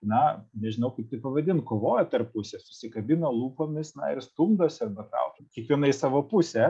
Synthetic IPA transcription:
nɐnʲɛʒʲɪnɐʊkɐɪp̚t̪ɐɪpɐʋɐd̪ʲɪnkoːʋoːjɛt̪ɐrppʊsʲeːsʊ̥sʲɪkɐbʲɪnɐlˠuːpoːmʲɪsnɐ̰ɪɾst̪ʊmd̪oːsɐrbɐt̪ɑ̰ʊkʲiɛkʋʲiɛnɐɪsɑːʋoːpʊsʲe

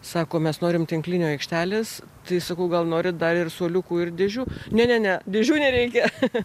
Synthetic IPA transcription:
sɑːkoːmʲɛsnoːɾʲɪmt̪ʲɪŋklʲɪnʲoːɛɪkʃʲt̪ʲæːlʲeːs | t̪ɐɪsɐkɐʊɡɐlˠnoːɾʲɪd̪ɐɾɪrsoːlʲʊkuːɪrd̪ʲɪʒʲuːnʲɛnʲɛnʲɛd̪ʲɪʒʲuːnʲɛɾʲɛɪkʲɛ

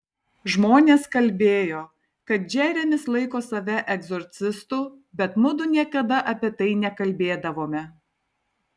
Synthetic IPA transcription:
ʒmoːnʲeːskɐlʲbʲeːjoː | kɐt̪̚d͡ʒʲæːɾʲɛmʲɪslˠɐɪkoːsɐʋʲɛʔɛɡzɔːɾʲt̪sʲɪst̪uː | bʲɛt̪mʊd̪ʊnʲiɛkɐd̪ɐʔɐpʲiɛt̪ɐɪnʲɛkɐlʲbʲeːd̪ɐʋoːmʲɛ

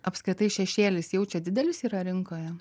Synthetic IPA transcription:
ɐpskɾʲɪt̪ɐɪʃʲɛʃʲeːlʲɪsjɛʊt͡ʃʲɛd̪ʲɪd̪ʲɛlʲɪsiːɾɐɾʲɪŋkoːjɛ

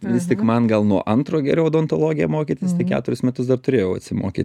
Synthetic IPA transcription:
ʋʲɪst̪ʲɪkmɐnɡɐlˠnuɔʔɐnt̪ɾoːɡʲɛɾʲɛʊd̪oːnt̪olˠoːɡʲɪjɛmoːkʲiːt̪ʲɪst̪ɐɪkʲæ̰ːt̪ʊɾʲɪsmʲɛt̪ʊsd̪ɐrt̪ʊɾʲeːjɛʊɐtʲsʲɪmoːkʲḭt̪

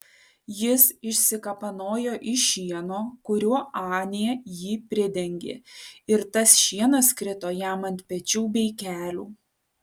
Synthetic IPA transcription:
jɪsɪʃʲsʲɪkɐpɐnoːjoːʔɪʃʲiɛnoːkʊɾʲuɔʔɑːnʲejɛjiːpʲɾʲɪd̪ʲɛŋʲɡʲḛɪɾt̪ɐsʃʲiɛnɐskɾʲɪt̪oːjæːmɐnʲt̪ʲpʲɛt͡ʃʲuːbʲɛɪkʲæːlʲuː

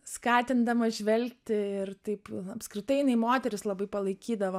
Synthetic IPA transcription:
skɑːt̪ʲɪnd̪ɐmɐʒʲʋʲɛlʲkt̪ʲɪɪrt̪ɐɪpɐpskɾʲɪt̪ɐɪjɪnɐɪmoːt̪ʲɛɾʲɪslˠɐbɐɪpɐlˠɐɪkʲiːd̪ɐʋoː

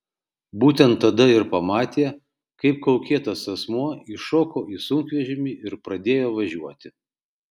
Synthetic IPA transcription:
buːt̪ʲɛnt̪ːɐd̪ɐɪɾpɐmɑːt̪ʲeːɛ | kɐɪp̚kɐʊkʲeːt̪ɐsɐsmuɔɪʃoːkoːiːsʊŋkʋʲɛʒʲɪmʲiːɪɾpɾɐd̪ʲeːjoːʋɐʒʲuɔt̪ʲɪ

